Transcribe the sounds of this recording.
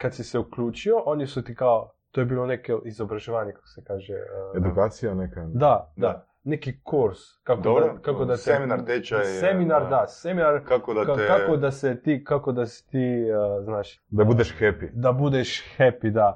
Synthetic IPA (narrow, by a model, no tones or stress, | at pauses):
kad̪sisɛukluːt͡ʃioʔonisut̪ikao | t̪ojebiːlˠonekeʔizobɾaʒeʋaːɲekḁko̥sekaːʒeed̪ukaːt̪sijanɛkad̪ad̪a | nekikuɾskakd̪obkakod̪aseeminaɾt̪et͡ʃasemminaɾd̪aseminaɾkakod̪akakakod̪asɛt̪ikakod̪asi̥t̪iznaːʃ | d̪abud̪eʃxɛpid̪abud̪eʃxɛpid̪a